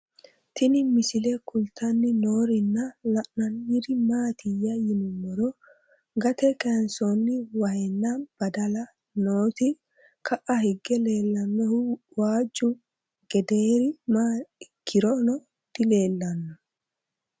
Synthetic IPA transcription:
t̪ɪnɪmɪsɪlɛkʊlt̪ɐnːɪnoːɾɪnːɐlɐʔnɐnjɪɾɪmaːt̪ɪjːɐjɪnʊmːɔɾɔ | ɡɐt̪ɛkʼensɔnːɪwɐjɛnːɐb̥ɐd̪ɐlɐ | noːt̪ɪ | kɐʔɐhɪɡːɛle̞ːlːɐnːɔhwaːd͡ʒːʊ | ɡ̥ɛd̪eːɾɪmaːɪkʰːɪɾɔnɔ | d̪̥ɪle̞ːlːɐnːɔ

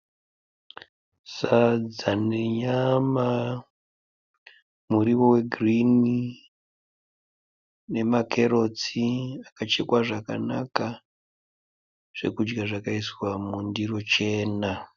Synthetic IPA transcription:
sad͡zaneɲama | muɾiʋo̞we̞ɡʱrini | ne̞makʰe̞ɾo̞t͡siakat͡ʃe̞kwaʐaka̰na̰ka | ʐ̥e̞̰kud͡ʒɡaʐakaiswamundiro̞t͡ʃe̞ːna

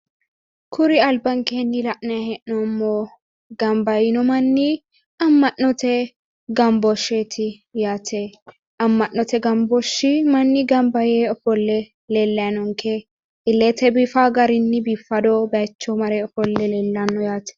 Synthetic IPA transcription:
kʰʊɾɪɐlbɐŋkeːnːɪlɐʔnɐjɐhɛʔnɔmːo | ɡɐmbɐjɪnɔmɐnːɪ | ɐmːɐʔːɔt̪ɛ | ɡɐmbɔʃet̪ʰɪ | jaːt̪ʰɛ | ʔɐmːɐʔːɔt̪ɛɡɐmbɔʃːɪmɐnːɪɡɐmbɐjeɔfɔlːɛ | lɛlːɐjɐnɔŋkɛ | ɪlːet̪ɛbifaɡɐɾɪnːɪbiːfːɐd̪ɔbɐjt͡ʃːɔmɐɾɛɔfɔlːɛlɛlːɐnːɔjaːt̪ɛ̥

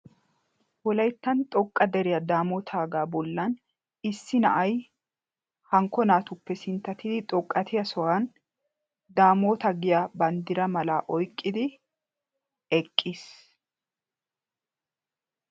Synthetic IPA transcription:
wɔlɐjt̪ːɐnt̪ʼɔkʼːɐd̪ɛɾɪjɐd̪aːmoːt̪ʰaːɡaːbɔlːɐn | ɪsːɪnɐ̰ʔɐj | hɐŋkːɔnaːt̪ʊpːɛsɪnt̪ːɐt̪ɪd̪ɪt̪ʼɔkʼːɐt̪ʰɪjɐsɔwan | d̪aːmoːt̪ɐɡɪjabɐnd̪ɪɾɐmɐlaːʔɔjkʼːɪd̪ɪ | ɛkʼːiːs

